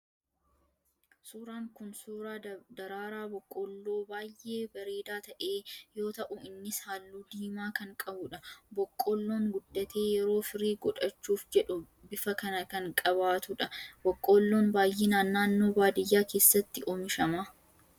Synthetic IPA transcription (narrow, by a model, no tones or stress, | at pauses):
suːɾaːŋkʊnsuːɾaːd̪ɐɾaːɾaːbɔkʼːoːlːo̞ːbaːjʔe̞ːbɐɾeːd̪aːt̪ɐʔe̞ːjoːt̪ɐʔʊɪnːɪshaːlːuːd̪iːmaːkɐŋkʼɐbʊᶑɐbɔkʼːoːlːo̞ːŋɡʊdːɐt̪e̞ːjɛɾo̞ːfɪɾiːɡɔᶑɐt͡ʃːuːfd͡ʒɛᶑʊ | bɪfɐkɐnɐkɐŋkʼɐbaːt̪ʊᶑɐbɔkʼːoːlːoːnbaːjʔeːnaːnːaːnːo̞ːbaːd̪ɪjːaːke̞ːsːɐt̪ːɪʔomɪʃɐma